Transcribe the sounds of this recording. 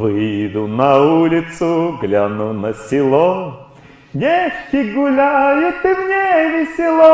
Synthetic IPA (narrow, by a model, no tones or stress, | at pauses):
vɨjd̪ʊnɐulʲɪt̪sʊɡlʲanunəsʲɪlˠɔ | nʲeʂkʲɪɡʊlʲajʊt̪ɨmnʲevʲɪsʲɪlˠɔ